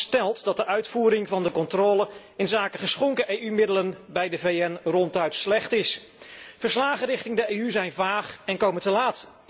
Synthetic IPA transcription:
stɛlˠtdɑt̚dəʔœɥtfuːɾɪŋvɑndəkɔntrɔːlə | ɪnzaːkəχəsχɔŋkəʔejymɪdələnbɛjdəveːɛnrɔntœɥtslɛχtɪs | v̥əɹslaːχərɪχtɪŋdəeːyzɛjnvaːχɛnkowməntəlaːt

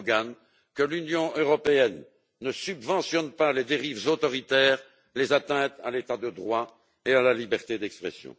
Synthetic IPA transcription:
ɡan | kəlynjɔ̃ʔøʁɔpeɛnː | əsybvɑ̃sjɔnpaled̪eʁivzot̪ɔʁit̪ɛːʁ | lezat̪ɛ̃t̪alet̪ad̪əd̪ʁwa | ealalibɛʁt̪ed̪ɛkspχɛ̰sjɔ̰̃

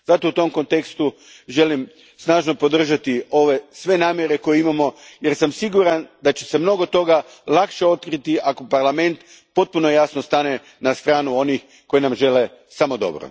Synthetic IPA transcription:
zat̪o̞ut̪o̞mko̞nt̪e̞kst̪u | ʒe̞lim | snaːʒno̞po̞d̪r̩ʒat̪io̞ʋe̞sʋe̞naːmje̞ɾe̞ko̞jeimamo̞jeɾsamsiɡuɾand̪at͡ɕe̞̥se̞mno̞ɡo̞t̪o̞ɡa | lakʃe̞o̞t̪kɾit̪iʔako̞paɾlame̞nt̪ | po̞t̪̚puno̞jasnost̪ane | nast̪ɾaːnuo̞nix | ko̞jenamʒe̞le̞ | samo̞d̪o̞̰bɾo̰

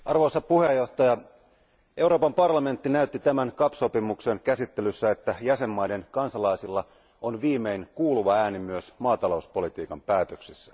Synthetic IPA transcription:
ɑrʋo̞isɑpuhe̞jːo̞ht̪ɑjɑ | ʔe̞uɾoːpɑmpɑrlɑme̞nt̪ːinæyt̪ːit̪æmæŋkɑpso̞pimukse̞nkæsit̪ːe̞lysːæe̞t̪ːæjæse̞mːɑjde̞nkɑnsɑlɑisilːɑ | onʋiːme̞iŋkuːluʋɑæːnimyøsmɑːt̪ɑlouspo̞lit̪iːkɑmpæːt̪øksisːæ̥

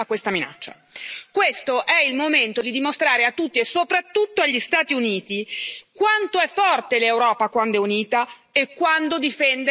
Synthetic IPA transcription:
akːwest̪amina̰t͡ʃːa̰ | kwest̪oʔɛilmoment̪od̪id̪imost̪ɾaːɾeat̪ːut̪ːiesːopɾat̪ːut̪ːoaʎːist̪aːt̪iuniːt̪ikwant̪oɛfːɔrt̪elewɾɔːpakwand̪oɛuniːt̪a | ekːwand̪od̪ifɛnd̪

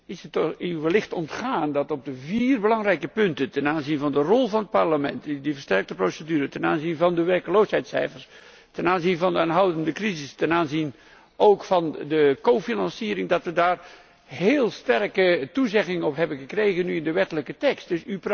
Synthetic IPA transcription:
ɪsətɔɪwʋəlɪχtɔntχaːndɑtɔb̚dəviːrbəlɑŋrɛjkəpɵntəntɛnaːnzinvɑndərɔlˠvɑnɦət̚pɑɹləmɛntdivərstɛɹk̚təprowsədyːɾətɛna̰ːnzinvɑndəʋɛrkəlowsɦɛjtsɛ̰jfəɹs | tɛnaːnzinvɑndəaːnɦʌwdəndəkrizɪstɛnaːnzin | ʔowkfɑndəkowfinɑnsiːɾɪŋdɑtʋədaːr | ɦeːlˠstɛrkətuzɛχɪŋəɔpɦɛbənχəkrejɣənyɪndəʋɛtələkətɛkst̚d̥ɵsyp

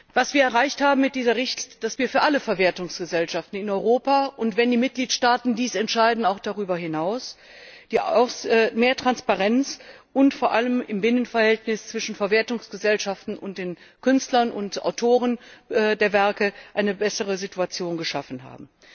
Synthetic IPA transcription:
v̥asv̥iːɐɛɐʁaɪçthaːbm̩mːɪt̚d̥iːzɐʁɪçtd̥asv̥iːɐfyːɐʔaləfɛɐveɐtʊŋsɡ̥əzɛlʃaftn̩ɪnɔʏʁoːpaʔʊntv̥ɛndiːmɪt̚ɡ̥liːtʃtaːtn̩diːsɛntʃaɪdn̩aʊxd̥aʁyːbɐɦɪnaʊs | d̥iːʊsɛːmeːɐtʁ̥anspaʁɛnt͡s | ʔʊntfoːɐʔaləmɪmbɪnənfɛɐhɛltnɪst͡sv̥ɪʃn̩fɛɐveɐtʊŋsɡ̥əzɛlʃaftn̩ʊnt̚d̥eːnkʏnstlɐnʔʊ̰ntʔa̰ʊtʰoːʁənɛdeːɐvɛɐkəʔaɪnəbɛsəʁəzɪtuat͡sjoːnɡəʃafn̩ɦa̰ːbm̩

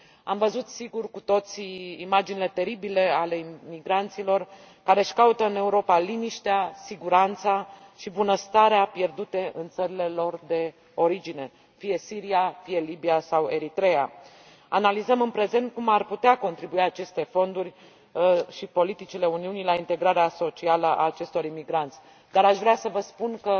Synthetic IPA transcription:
amvəzut̪siɡurkut̪o̞t̪siimad͡ʒinile̞t̪e̞ɾibile̞ale̞miɡɾant̪silo̞r | kaɾe̞ʃkaut̪əɨne̞uɾo̞paliniʃt̪easiɡuɾant̪saʃibunəst̪aɾeapje̞rd̪ut̪e̞ʔɨnt̪səɾile̞lo̞rd̪e̞ | o̞ɾid͡ʒine̞ | fije̞siɾiafije̞libiasawe̞ɾit̪ɾe̞a | analizəmɨnpɾe̞ze̞nt̪̚kumarput̪eako̞nt̪ɾibuiat͡ʃe̞st̪e̞fo̞nd̪urʲ | ʃipo̞lit̪it͡ʃile̞uniunilaint̪e̞ɡɾaɾeaso̞t͡ʃialəʔa̰ːt͡ʃe̞st̪o̞ɾimiɡɾant̪sʲ | d̪aɾaʃvɾeasəvəspunkə

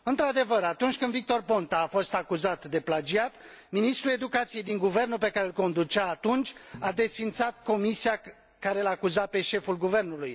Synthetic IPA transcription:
ɨnt̪ɾad̪e̞vəɾat̪unt͡ʃʲkɨnd̪vik̚t̪o̞rpo̞nt̪aːfo̞st̪akuzat̪d̪e̞plad͡ʒiat̪ | minist̪ɾue̞d̪ukat̪sije̞jd̪iŋɡuve̞rnup̬e̞kaɾelko̞nd̪ut͡ʃaːt̪unt͡ʃʲad̪e̞sfint̪sat̪ko̞misia | kaɾelaːkuzape̞ʃe̞fulɡuve̞rnuluj

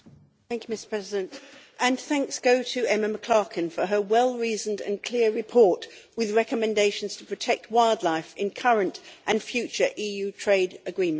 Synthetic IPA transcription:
θæ̃ŋkjʉmɪstə̥pʰɹ̥ɛzɪdɨ̃ntʔɨ̃nθæ̃ŋksɡ̥oʊɾɨɛməməkʰl̥ɑɹkʰɨ̃nfə˞əwɛlˠɹizə̃n̩dɨ̰̃nkʰl̥ɪəɹɨpʰɔɹʔwɪðɹɛkəmɨ̃ndeɪʃn̩z̥tʰəpʰɹ̥ɨtʰɛk̚t̚waɪlˠdˡlaɪfɪ̃nkʰʌɹə̃ntʔɨ̃nfjʉt͡ʃə˞ʔiːjʉtʰɹ̥eɪdɨɡɹĩm̃

